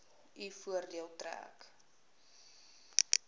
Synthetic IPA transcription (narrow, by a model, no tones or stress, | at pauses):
ifuərdiəlˠtræ̰ːk